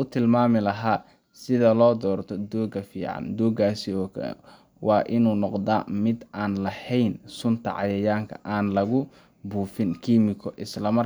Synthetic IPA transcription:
ʊt̪ʰɪlmaːmɪlɐɦaː | sɪðɐlɔːd̪ɔːrt̪ʰɔd̪ɔːɡɐfiːʕɑ̰nd̪uːɡaːsɪɔːkʰ | wɑːʔɪnuːnɔqd̪aːmɪd̪aːnlɐhɛjnsʊnt̪ʰɐ̰ʕɑ̰jɐjaːŋkʰɐ̰ʔaːnlɐɣʊ | buːfɪnkʰiːmɪkʰɔʔɪslɐmɐ

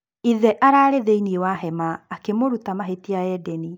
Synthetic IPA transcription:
iðɛʔaɾaːɾeðeiniewaɦɛmaːkemoɾutamaɦetiaɛdɛni

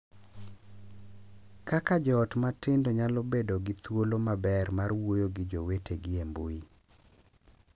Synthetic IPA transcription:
kakad͡ʒɔːtmatɪndɔɲalɔbedoɡɪt̪wolomabɛrmarwojoɡɪd͡ʒowetʰeɡɪemboi

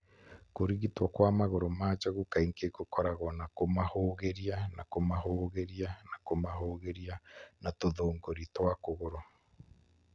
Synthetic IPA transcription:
koɾiɣitwɔkwamaɣoɾomaːt͡ʃɔɣukaiŋkekokɔɾaɣɔnakomahoːɣeɾianakomaɦoːɣeɾianakomaɦoːɣeɾianatoðoːŋɡoɾitwakoɣoɾɔ

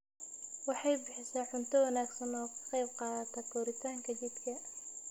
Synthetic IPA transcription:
wɑħɑjbɪħɪsaːħʊnt̪ʰɐwɐnaːɡsɐnɔːkʰɐ̥qɑjb̚qɑːðɐt̪ʰɐɡʰɔːɾɪt̪ʰaːŋkʰɐt͡ʃid̪kʰɐ

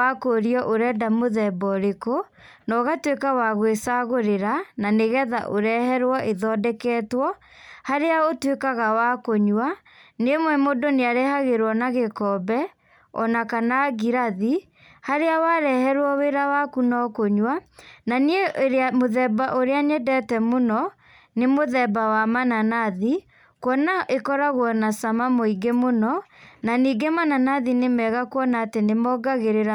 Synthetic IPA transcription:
akoɾiɔʔoɾɛːdamoðɛbɔɾeko | nɔɣatwekawaɣwesaɣoɾeɾananeɣɛða̰ʔoɾɛhɛɾwɔʔeðɔdɛkɛːtwɔhaɾeaotwekaɣawakoɲwa | nemwɛmodoneaɾehaɣeɾwɔnaɣekɔbɛ | ɔ̰nakanaɣiɾaði | haɾeawaɾɛhɛɾwɔweɾawakunɔkoɲwananieɾamoðɛbaʔoɾeaɲɛdɛtɛmonɔ | nemoðɛbawamananaði | kwɔnaʔekɔɾaɣwɔnasamamoiɡemonɔnaniːɡemananaðinemɛɣakwɔnaːtenemɔɡaɣeɾeɾa

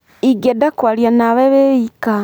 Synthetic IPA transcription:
iɡedakwaljanaβeβeika

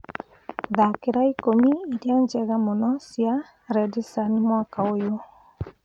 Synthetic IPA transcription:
ðakeɾaikomiiɾjand͡ʒɛɣamonɔsia | ɾɛdisanemwakaojo

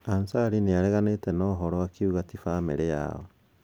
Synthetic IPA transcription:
ansaɾineaɾɛɣanetɛnɔɦɔɾɔakiuɣatifameɾeja̰ɔ

